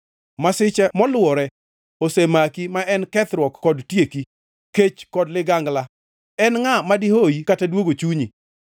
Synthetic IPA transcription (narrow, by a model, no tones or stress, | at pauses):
masɪt͡ʃɛmɔlʊwɔɾɛ | osemakimaʔɛnkɛt̪ɾwɔkːɔdtjeki | ket͡ʃkɔdlɪɡaŋɡla | ɛnŋamadihoikatadwoɡot͡ʃuɲi